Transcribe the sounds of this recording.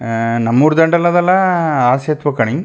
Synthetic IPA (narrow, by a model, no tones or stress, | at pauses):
nɐmːuɾd̪ɐɳɖɐlɐðɐlãaːsjɐt̪ʋɐkːɐɳɪŋ